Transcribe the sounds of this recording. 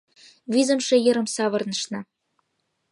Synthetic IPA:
βizə̆mʃĕjɤ̆ɾə̆msɑβɤ̆rnə̆ʃnɤ̆

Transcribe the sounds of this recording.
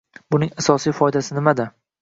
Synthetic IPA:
bʊnɪŋasɒsijfɒɪd̪asɪnɪmad̪ɪ

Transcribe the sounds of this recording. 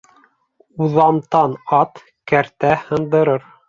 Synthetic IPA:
uðɑmt̪ɑnɑt̪ | kæɾt̪æhɤ̆nd̪ɤ̆ɾɤɾ

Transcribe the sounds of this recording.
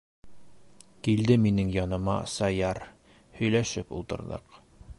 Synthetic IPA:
kild̪ɘminɘŋjɒnɤ̆mɑ̰sɑjɑɾ | hɵ̆jlæʃɘpṵlˠt̪ɤ̆ɾðɤ̰q

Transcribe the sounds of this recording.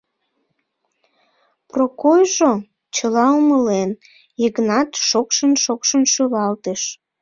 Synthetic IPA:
prokojʒo | t͡ɕəlɑuməlen | jəɣnɑt̪ʃokʃənʃokʃənʃyβɑlt̪eʃ

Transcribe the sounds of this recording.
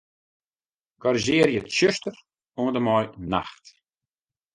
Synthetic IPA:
ɡ̥ɔɾiʒɪərjətʃøstər | uəndəmɔjna̰xt

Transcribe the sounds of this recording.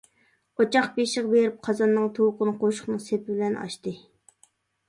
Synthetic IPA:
ot͡ʃʰɑχbeʃɪʁbeɾɪp̚qʰɑzɑnːɨŋt̪ʰowqʊnɨqʰoʃʊ̥χnɨŋsepʰɪbɪlɛnʔɑ̰ʃt̪ɨ

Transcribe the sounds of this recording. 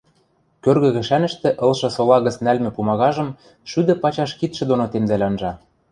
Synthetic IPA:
kørɣɘ̆ɣɘ̆ʃænɘ̆ʃt̪ĕʔɤ̆lʃɤ̆solɑɣə̆t͡snælmɘ̆pumɑɣɑʒɤ̆m | ʃyd̪ɘ̆pɑt͡ɕɑʃkit̪ʃɘ̆d̪onot̪emzælʲɑnʒɑ

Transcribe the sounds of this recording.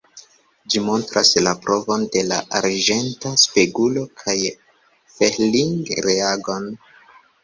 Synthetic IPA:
d͡ʒimo̞ntɾaslapɾʔo̞vo̞nde̞la̰ʔaɾd͡ʒe̞ntaspeɡulo̞kʰaj | feliŋɡɾeaɡo̞n

